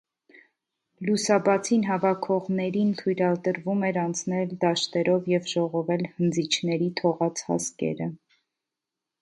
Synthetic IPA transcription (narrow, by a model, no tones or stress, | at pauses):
lusɑbɑt͡sʰinɦɑvɑkʰɔʁnɛɾint̪ʰujɾɑlt̪əɾvumɛɾɑnt͡sʰnɛld̪ɑʃt̪ɛɾɔvjɛvʒɔʁɔvɛlhənd͡zit͡ʃʰnɛɾit̪ʰɔʁɑt͡sʰhɑ̰skɛ̰ɾə